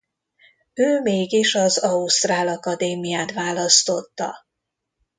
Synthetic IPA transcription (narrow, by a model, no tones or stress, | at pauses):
øːmeːɡiʃɒzɒust̪raːlɒkɒd̪eːmijaːt̪ʋaːlɒst̪o̞t̪ːɒ̰